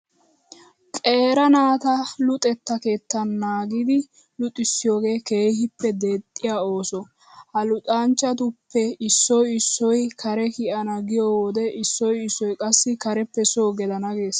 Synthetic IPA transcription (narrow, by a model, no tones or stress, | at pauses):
kʼe̞ːɾɐnaːt̪ɐlʊt̪ʼɛt̪ːɐke̞ːt̪ːɐnːaːɡɪd̪ɪ | lʊt̪ʼɪsːɪjo̞ːɡe̞ːke̞ːhɪpːɛd̪eːt̪ʼːɪjaːo̞ːsɔ | hɐlʊt̪ʼaːnt͡ʃːɐt̪̬ʊpʰːɛɪsːɔjɪsːɔjkʰɐɾɛkɪɐnɐɡɪjɔwoːd̪ɛʔɪsːɔjɪsːɔjkʼɐsːɪkɐɾɛpːɛsoːɡɛd̪ɐnɐɡe̞ːs